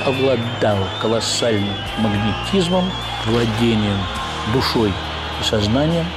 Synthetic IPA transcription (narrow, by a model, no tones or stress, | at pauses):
ɐblˠɐd̪alˠkəlˠɐsalʲnɨmːəɡnʲɪtʲizməm | vlˠɐdʲenʲɪjəm | d̪ʊʂoj | isɐznanʲɪjəm